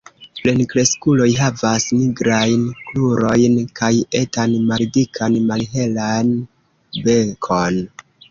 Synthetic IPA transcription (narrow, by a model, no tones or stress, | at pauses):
ple̞nkɾe̞skulo̞jɦavasniɡɾajnkluɾo̞jnkaje̞tanmalidikʰanmalɦe̞lan | be̞kʰo̞n